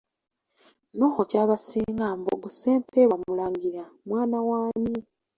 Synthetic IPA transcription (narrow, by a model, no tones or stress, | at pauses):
noxocaːβasiːŋɡaːmbo̰ɡuseːmpeβamulaŋɡiɾamwaːnawaːmi